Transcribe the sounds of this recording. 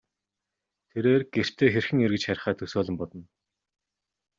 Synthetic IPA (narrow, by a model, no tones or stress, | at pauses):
t̪ʰeɾeːrɡ̥er̥t̪ʰːeːxerxɘ̆ŋerɣɘ̆t͡ɕχæɾʲɪ̆χæːt̪ʰɵsoːɮə̆mpɔt̪ɞ̆n